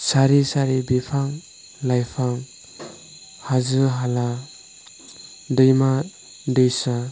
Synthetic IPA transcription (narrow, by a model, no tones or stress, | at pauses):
saɾisaɾibipʰaŋ | lajpʰaŋ | hazɯɦala | dɯjma | dɯjsa